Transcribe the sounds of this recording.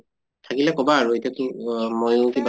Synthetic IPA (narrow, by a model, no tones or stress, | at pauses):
tʰakilɛkɔbaːɹuetɔkimojokib